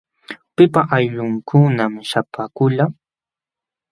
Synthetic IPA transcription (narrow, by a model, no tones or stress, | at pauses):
pɪpaʔajʎʊŋkʰʊnamʃapakʊʎa